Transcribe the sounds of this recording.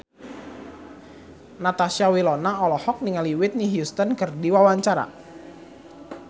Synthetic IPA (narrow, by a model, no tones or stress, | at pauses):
nat̪asiawilɔnaɔlɔhɔk̚niŋaliwɪt̪̚niɦjust̪ənkərdiwawaɲt͡ʃaɾa̰